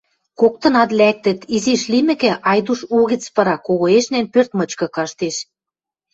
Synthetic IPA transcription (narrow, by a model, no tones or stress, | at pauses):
kok̚t̪ɤ̆nɑt̪læk̚t̪ə̆t̪iziʃlimɘ̆kĕʔɑjd̪uʃuɣit͡spɤ̆ɾɑkoɣoeʃnænpørt̪mɤ̆t͡ɕkɤ̆kɑʃt̪eʃ